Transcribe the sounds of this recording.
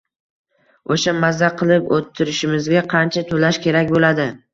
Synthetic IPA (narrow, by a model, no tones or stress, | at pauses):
oʃamazːaqʰɨlˠɪpot̪ʰːɪɾɪʃɪmɪzɡʲaqʰɑnt͡ʃʰat̪ʰolaʃkʲʰe̞ɾakʲbolad̪ɪ